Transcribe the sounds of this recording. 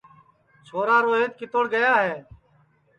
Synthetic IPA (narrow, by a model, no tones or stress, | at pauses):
t͡ʃʰoːɾaːɾoːɦeːt̪̚kɪt̪oːɽɡəjaːɦeː